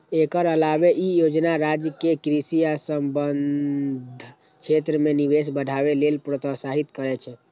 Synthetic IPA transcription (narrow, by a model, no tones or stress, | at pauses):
ekəɾəlabeʔijod͡ʒnaɾad͡ʒjəkekɾisiasəmbənd̪ʱ | t͡ʃʰet̪ɾəmenibes̬bəɖʱabelelpɾot̪əsaɦit̪kəɾɛt͡ʃʰɛ